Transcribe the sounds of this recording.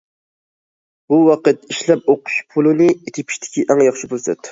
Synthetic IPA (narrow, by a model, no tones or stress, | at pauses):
buwɑqət̪iʃlɛp̚oqʰʊ̥ʃpʰulˠɨnɨet̪ʰɪpʰi̥ʃt̪ʰɪ̥kʲiʔɛŋjɑχʃibølsɛt̪ː